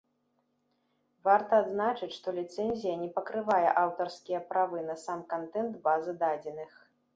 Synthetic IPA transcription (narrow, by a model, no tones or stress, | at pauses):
vart̪ɐːd̪znat͡ʂɨt͡sʲʂt̪ɔlʲit̪sɛnʲzʲijɐnʲɛpɐkɾɨvajɛ̰ʔawt̪ɐrskʲijɐpɾavɨnɐsamkant̪ɛnt̪bazɨd̪ad͡zʲɛnɨx